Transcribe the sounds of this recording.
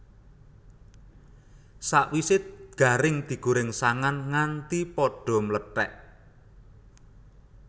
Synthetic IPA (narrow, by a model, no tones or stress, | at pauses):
saʔwisɪt̪̚ɡ̥a̤ɾɪŋd̪̥i̤ɡ̥uɾɪŋsaŋanŋant̪ipɔɖ̥ɔ̤mələʈɛ̰ʔ